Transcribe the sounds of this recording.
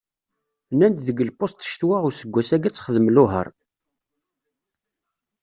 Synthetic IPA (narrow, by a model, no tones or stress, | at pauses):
nænd̪ðəɡəlpost̪ʃt̪waʁʊɾsəɡʷːæsæɡæt͡sːχəðəmlʊɦə̰ɾˤ